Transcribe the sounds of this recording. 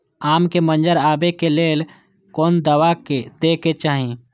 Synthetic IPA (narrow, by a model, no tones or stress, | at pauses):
aːmkemə̃nd͡ʒəɾaːbekeleːl | koːnd̪əwaked̪eːket͡ʃaːɦĩ